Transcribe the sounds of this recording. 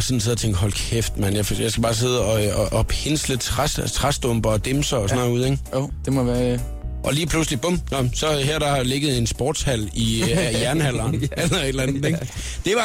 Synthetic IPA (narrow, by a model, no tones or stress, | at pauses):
sɒ̽n̩se̝ðˠɐt͡sʰeŋɡ̥ɦɒ̽lkʰefd̥mænjafjɑ̈sɡ̥æbɑ̈ːs̬e̝ð̞ˠɒ̽ɒʔɒ̥he̝nslət͡sʰʁast͡sʰʁasd̥ɔm̰b̥ɐːd̥emsɐɒsɒ̽nuð̞̰ˠeŋod̥emɒʋæɐ | ʔɒ̽liːpʰluslib̥ɔm̰nɒsɒ̽hæɐ̰d̥ɑ̈hɑ̈leɡ̥əð̞̩ˠe̝nsb̥ɔ̰ːd̥shæl̰ijæɐnəhæl̰ɐːnelɐe̝d̥lænð̩d̥ˠeɡ̥ | d̥e̝ʋɑ̈